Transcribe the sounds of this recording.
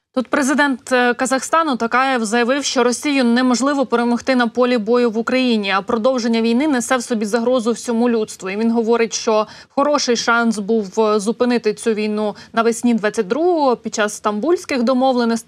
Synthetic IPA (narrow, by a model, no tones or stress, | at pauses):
t̪ut̪̚pɾezɪd̪ɛnt̪kɐzɐxst̪ɑnʊt̪ɐkɑjɛzɐjɐʋɪwʃt͡ʃɔɾɔsʲijʊnːɛmɔʒlˠɪʋɔpeɾemɔxt̪ɪnɐpɔlʲibɔjʊʋʊkɾɐjinʲiɐpɾɔd̪ɔwʒenʲːɐʋʲijnɪnesɛwsɔbʲizɐɦɾɔzʊwsʲɔmulʲut̪st̪ʋʊiʋʲinɦɔʋɔɾɪtʲʃt͡ʃɔ | xɔɾɔʃɪjʃɑnsbuwzʊpɪnɪt̪ɪt͡sʲuʋʲijnunɐʋɪsʲnʲid̪ʋɑt͡sʲːɐt̚ʲd̪ɾuɦɔɦɔpʲid̪̚t͡ʃɑsst̪ɐmbulʲsʲkɪxd̪ɔmɔʋlˠenɪsʲtʲ